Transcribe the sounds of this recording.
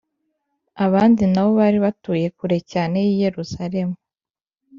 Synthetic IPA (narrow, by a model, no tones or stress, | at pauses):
aβaːndinaβo̞βaːɾiβatuːje̞kuɾe̞caːne̞jije̞ɾuzaɾe̞mu